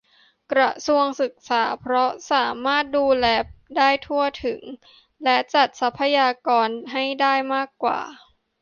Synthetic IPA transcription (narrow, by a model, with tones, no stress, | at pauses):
kɾa˧˩su˧əŋsɯ˨˩k̚saː˩˦pʰɾɔ˦˥saː˩˦maː˥˩t̪̚duː˧lɛː˦˧p̚daː˥˩jt̪ʰu˥˩ət̪ʰɯ˨˩˦ŋ | lɛ˦˥t͡ɕa˨˩t̪̚sa˦˥pʰːa˧jaː˧kɔː˧nɦa˥˩jdaː˥˩jmaː˥˩kːwa̰ː˨˩